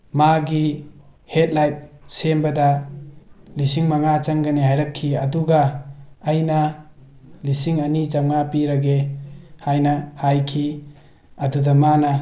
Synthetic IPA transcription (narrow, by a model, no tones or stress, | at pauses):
maɡihet̚lajt̚sembɐda | lisiŋmaŋat͡ʃɐŋɡɐnihajɾɐkʰːiɐduɡɐː | jnɐ | lisiŋɐnit͡ʃamŋapiɾɐɡehajnɐhajkʰi | ɐdudɐmanɐ